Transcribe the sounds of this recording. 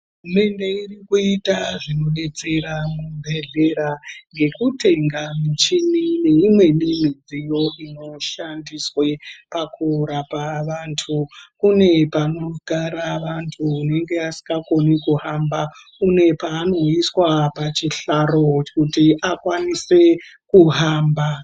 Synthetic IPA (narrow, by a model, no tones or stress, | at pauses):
ɦume̞nde̞irikuitaʐino̞ne̞t͡se̞ɾamumbʱe̞ɮe̞ɾaŋɡe̞kuteŋɡamut͡ʃinineimwe̞nimid͡zijo̞ʔino̞ʃandiswe̞pakurapaʋantʰukune̞pano̞ɡʱaɾaʋantʰuːne̞ŋɡe̞asi̥ŋɡako̞nikuɦambakune̞paːno̞iswapat͡ʃiɬaɾo̞kutiʔakwanise̞ | kuɦaːmba